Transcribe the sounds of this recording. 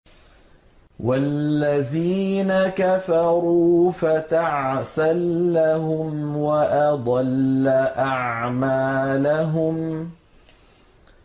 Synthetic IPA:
walːaðiːnakafɑɾuːfataʕsalːaɦʊmwaʔad̪ˤɑlːaʔaʕmaːlaɦʊm

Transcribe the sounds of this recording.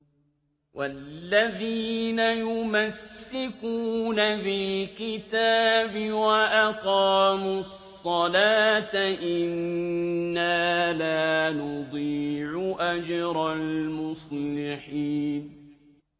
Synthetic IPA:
wʔalːaðiːnajʊmasːɪkuːnafɪlkɪt̪aːbɪwaʔaqɑːmu | sˤːɑlaːt̪aʔɪnː | aːlaːnʊd̪ˤiːʕʊʔad͡ʒɾˤɑlmʊslɪħiːn

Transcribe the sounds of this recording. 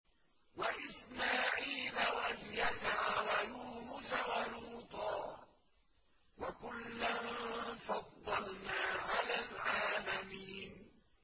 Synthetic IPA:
waʔɪsmaːʕiːlawaljazʕawajuːnʊsawaluːt̪ˤɑː | wakʊlːamfɑd̪ˤːɑlnaːʕalaːlʕaːmamiːn

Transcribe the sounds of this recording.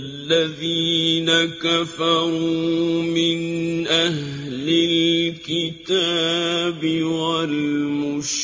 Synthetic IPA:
lːaðiːnakafɑɾɾumɪnʔahlɪlkɪt̪aːbɪwalmʊʃ

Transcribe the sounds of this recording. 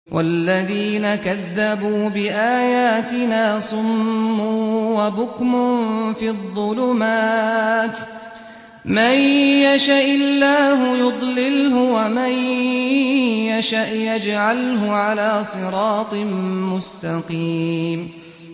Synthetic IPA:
wʔa̰lːaðiːnakaðːabuːbɪʔaːjaːt̪ɪnaːsˤʊmːuːwabʊkmʊfiːðˤːʊlʊmaːt̪ | majjaʃaʔɪlːaːɦʊjʊd̪ˤlɪlɦʊwamaj | jaʃaʔjad͡ʒʕalɦʊʕalaːsˤɨɾˤɑːt̪ˤɨmʊst̪aqiːm

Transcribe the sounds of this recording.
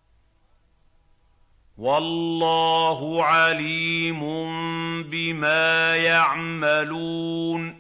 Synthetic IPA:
walːɑːɦʊʕaliːmʊmbɪmaːjaʕmaluː | n

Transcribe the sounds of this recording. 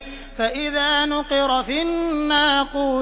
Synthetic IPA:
faʔɪðaːnʊqɨɾˤfinːaːquː

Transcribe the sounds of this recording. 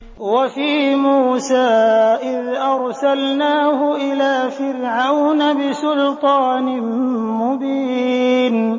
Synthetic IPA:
wafiːmuːsaːʔɪðʔɑɾˤsalnaːhʊʔɪlaːfɪɾʕawnabɪsʊlt̪ˤɑːnɪmʊbiːn

